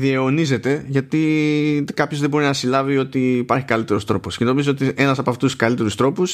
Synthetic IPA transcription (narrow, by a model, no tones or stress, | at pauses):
ðieɣonize̞t̪e̞ʝɐt̪i | kɐpçozðebo̞ɾinɐsilɐvio̞t̪iːpɐɾçi̥kɐlit̪e̞ɾo̞st̪ɾo̞posce̞no̞mizoot̪ie̞nɐsɐpoɐft̪uskɐlit̪e̞ɾust̪ɾo̞pus